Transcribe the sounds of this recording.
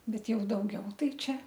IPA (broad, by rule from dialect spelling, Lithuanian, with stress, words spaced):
ˈbʲɛt ˈjɛʊ dɐʊˈɡʲɛʊ ˈtɐɪ ˈt͡ʃʲɛ